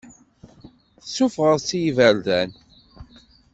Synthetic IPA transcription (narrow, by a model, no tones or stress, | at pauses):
θəsːufʁəɾsijivəɾdæn